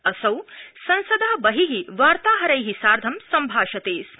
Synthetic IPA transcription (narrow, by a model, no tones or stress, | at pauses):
ɐsɐwsɐ̃nsɐd̪aːɐbɐɦiɦiʋaːɾt̪aːɦɐɾɐjɦisaːɾd̪ʱɐmsɐmbʱaːʃɐt̪eːs